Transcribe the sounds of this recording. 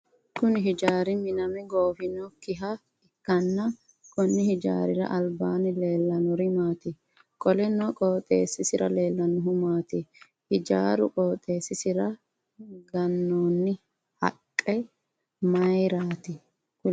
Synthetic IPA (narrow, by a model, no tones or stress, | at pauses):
kʊnɪɦɪd͡ʒaːɾɪmɪnɐmɛɡoːfɪnɔkɪɦɐ | ɪkːɐnːɐ | kɔnːɪhɪd͡ʒa̰ːɾɪɾɐ̰ʔɐlbaːnɪle̞ːlːɐnʊɾɪmaːt̪ɪ | kʼɔlɛnɔkʼoːt̪ʼḛːsːɪsɪɾɐ̰le̞ːlːɐnʊɦʊmaːt̪ɪ | hɪd͡ʒa̰ːɾʊ̰kʼoːt̪ʼːe̞ːsːɪsɪɾɐ | ɡɐnːoːnːɪ | hɐ̰kʼːɛ | mɐjɾaːt̪ɪ | k